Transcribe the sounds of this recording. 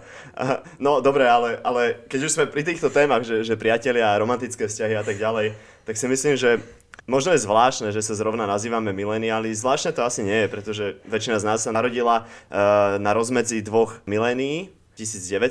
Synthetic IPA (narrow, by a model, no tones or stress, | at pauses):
nɔd̪ɔbɾɛalɛʔalɛkɛɟuʒzmɛpɾit̪iːxt̪ɔt̪ɛːmaɣʒɛʒɛpɾɪacɛlɪaɾɔmant̪it͡skɛːfscaɦiat̪aɡɟalɛj | t̪aksimisliːmʒɛ | mɔʒnɔjɛzʋlaːʃnɛːʒɛsazɾɔʊnanaziːʋamɛmilɛːniaːlizʋlaːʃt̪nɛːt̪ɔasiɲɛjɛpɾɛt̪ɔʒɛʋɛt͡ʃinaznaːsːanaɾɔɟila | naɾɔzmɛd͡zid̪ʋɔɣmilɛːniː | cisiːd͡zɟɛʋɛ